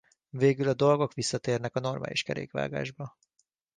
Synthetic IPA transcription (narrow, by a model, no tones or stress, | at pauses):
veːɡylɒd̪o̞lɡo̞kʋisːɒt̪eːrnɛkɒno̞rmʔa̰ːlʔḭʃkɛɾḛːkʋa̰ːɡa̰ːʒbɒ